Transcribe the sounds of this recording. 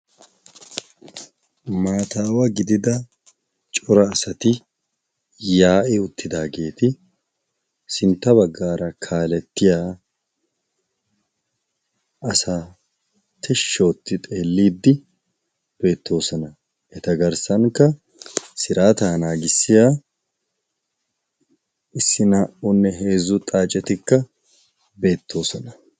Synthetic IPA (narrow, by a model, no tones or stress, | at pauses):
maːt̪aːwɐɡɪd̪ɪd̪ɐ | t͡ʃʼɔɾɐːsɐt̪ɪ | jaːʔɛʊt̪ʰːɪd̪aːɡe̞ːt̪ɪ | sɪnt̪ːɐbɐɡːaːɾɐkʰaːlɛt̪ːɪjaː | ʔɐsaː | t̪ʰɛʃːo̞ːt̪ːɪt̪ʼe̞ːlːiːd̪ːɪ | b̥e̞ːt̪ːo̞ːsɔnɐ | ʔɛt̪ɐɡɐɾsɐŋkːɐ | sɪɾʔaːt̪aːnaːɡɪsːɪjaː | ɪsːɪnaːʔʊnːɛɦe̞ːzʊt̪ʼaːt͡ʃʼɛt̪ɪkːɐ | be̞ːt̪ʰːo̞ːsɔnɐ